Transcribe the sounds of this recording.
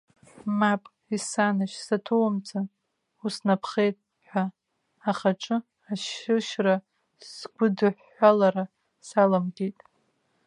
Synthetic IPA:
mapʼ | isanaʃsatʰowamt͡sʰa | usnapʰχe̞jtʼ | ħʷa | aχaʈ͡ʂʼɨ | aʃɪʃra | sɡʷʊdɨħːʷalaɾa | salamɡʲejtʼ

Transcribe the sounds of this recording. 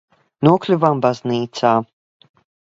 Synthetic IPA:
nuːklʲuvambazniːt̪sa

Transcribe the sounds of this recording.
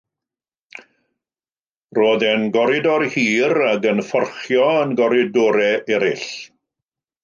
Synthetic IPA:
roːðɛnɡɔɾɪdɔrhiːɾaɡənfɔrχjɔənɡɔɾɪdɔɾɛʔɛɾɪ̰ɬ

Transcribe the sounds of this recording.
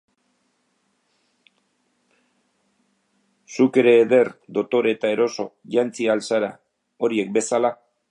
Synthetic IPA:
suke̞ɾe̞ːðe̞rd̪o̞t̪o̞ɾe̞t̪ae̞ɾo̞so̞ʝant͡sialsaɾa | o̞ɾie̞k̚be̞sala

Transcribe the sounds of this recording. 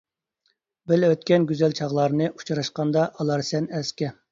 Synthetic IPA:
bɪløt̪̚kʲɛnɡʲyzɛlt͡ʃʰɑʁlˠɑɾnɨʔu̥t͡ʃʰɾɑʃqɑnd̪ɑʔɑlˠɑɾsɛnɛskʲɛ

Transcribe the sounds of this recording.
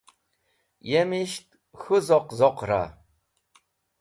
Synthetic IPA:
jemiʃt̪̚ | xuzɔqzɔqɾa̰

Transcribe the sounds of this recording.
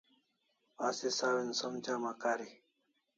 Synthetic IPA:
aːsisaːwinsɐmt͡ɕaːmakaːɾi

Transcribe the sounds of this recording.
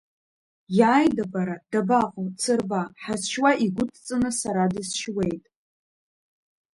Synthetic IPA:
jaːjdabaɾad̥abaqʷʼʊmt͡sʰɨrbaħazʃwaʔiɡʷʊtʰʼt͡sʼɨnɨsaɾadɨsʃwe̞jtʼ

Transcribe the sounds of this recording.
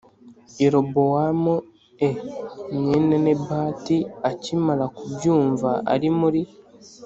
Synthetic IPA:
iɾobowamo | eɲenene̞baːtiacimalakubjuːɱvaʔa̰ɾimuɾi

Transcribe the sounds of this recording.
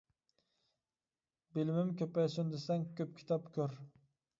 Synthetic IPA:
bɪlmɪmkʰʲɵpajsɪnd̪esaŋkʲʰɵp̚kʲʰi̥t̪ʰɑpkʲʰøɾ

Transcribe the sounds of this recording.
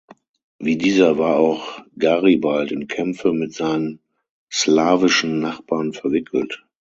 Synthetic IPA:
viːdiːzɐvaːɐaʊxɡ̥aʁibaltɪmkʰɛmfəmɪtz̥aɪnən | slaːvɪʃn̩ːaχb̥aːʁnfɛɐvɪkʰl̩t

